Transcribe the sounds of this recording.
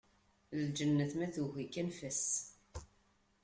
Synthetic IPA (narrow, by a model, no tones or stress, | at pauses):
ld͡ʒənːəθmæθuxikːænfəs